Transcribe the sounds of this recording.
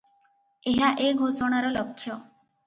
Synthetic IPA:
eɦaʔeɡʱosɔɽ̃aɾɔlɔkʰːjɔ

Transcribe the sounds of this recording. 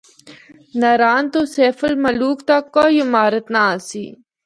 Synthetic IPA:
nɐɾaːnt̪oseːfəlmɐluːkt̪ɐkːoːiɪmaːɾət̪naaːsḭː

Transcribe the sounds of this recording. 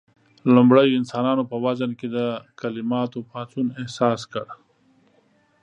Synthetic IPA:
lumbɽəjɪnsɑːnɑːnopəwazənked̪əkalɪmɑːt̪opɑːt͡ʃunehsɑːskəɽ

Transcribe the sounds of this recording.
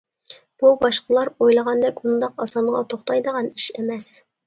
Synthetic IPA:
b̥ubɑʃqəlˠɑɾojlˠəʁɑnd̪ɛkʲund̪ɑqɑsɑɴʁɑ̰t̪ʰoχt̪ɑjd̪əʁɑniʃemɛs

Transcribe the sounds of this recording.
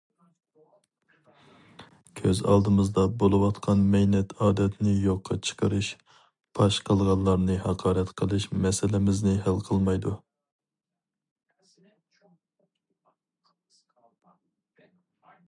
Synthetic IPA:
kʲʰøzɑ̰lˠd̪ɨmɨzd̪ɑbolˠɨwɑt̪qʰɑnmɛjnɛt̪ʰɑːd̪ɛt̪nɪjoqʰːɑt͡ʃʰə̥qʰəɾɨʃ | pʰɑʃqʰəlˠʁɑlˠlːˠɑɾnɨhɑqʰɑːɾɛt̪qʰəlˠɨʃmɛsɪlɪmɪznɪɦælˠqʰəlˠmɑjd̪u

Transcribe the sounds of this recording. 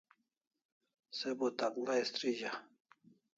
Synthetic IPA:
sebot̪aklaist̪ɾiʑa

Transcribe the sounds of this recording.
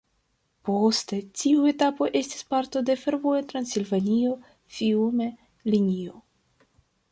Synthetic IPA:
po̞ste̞tiue̞tapo̞ʔe̞sti̥spaɾto̞de̞fe̞ɾvo̞etɾansilvanio̞ | fiume | linio

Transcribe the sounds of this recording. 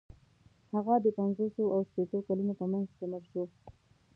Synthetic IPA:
haɣad̪əpanzosoʔawʃpet̪okalunop̪amaŋzt̪amaɾʃo

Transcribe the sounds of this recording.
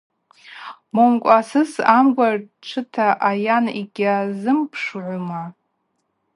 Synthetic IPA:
momkʷʼasɨsamɡʷar | ʈ͡ʂʰɨtʰaʔajaniɡʲazɨmpʰʂʕʷʊma

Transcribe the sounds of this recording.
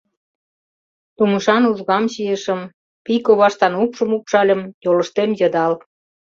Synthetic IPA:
t̪umə̆ʃɑnuʒɣɑmɕiə̆ʃəm | pikoβɑʃt̪ɑnupʃə̆mupʃɑlʲə̆mjolə̆ʃt̪emjɑd̪ɑl

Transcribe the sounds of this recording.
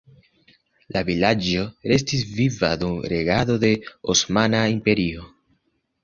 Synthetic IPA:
lavilad͡ʒo̞ɾe̞s̬tis̬vivadumɾe̞ɡado̞de̞osmanaimpe̞ɾio̞

